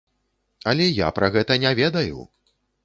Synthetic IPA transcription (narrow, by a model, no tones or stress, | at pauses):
ɐlʲɛja̰pɾaɣɛt̪ɐnʲɛvʲɛd̪ɐjṵ